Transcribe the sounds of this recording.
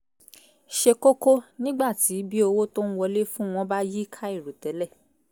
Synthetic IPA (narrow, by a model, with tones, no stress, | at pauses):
ʃe˧ko˦ko˦nĩ˦ɡ͡ba˦˨ti˨˦bi˦o˧wo˦tõ˦n̩˦wɔ˧le˦fũ˦w̃ɔ̃˧ba˦ji˦kʰa˦i˦˨ɾu˨tɛ˨˦lɛ˦˨